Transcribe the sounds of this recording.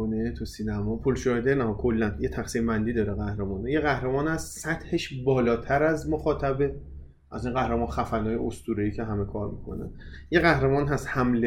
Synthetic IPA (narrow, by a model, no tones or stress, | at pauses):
net̪ʰusiːnæmɒːpʰolʃɒːhed̪enɒːkʰolːænjet̪ʰæxsimbænd̪iːd̪ɒːɾeɣæhɾemɒːnejeɣæhɾemɒːnhæst̪sæt̪ʰheʃbɒːlɒːt̪ʰæɾæzmoxɒːt̪ʰæbe | ʔæzinɢæhɾemɒːnxæfænɒːjeost̪uːɾeiːcʰe̞ɦæme̞kʰɒːɾmḭkʰo̰næ̰njeɣæhɾemɒːnɦæst̪hæmle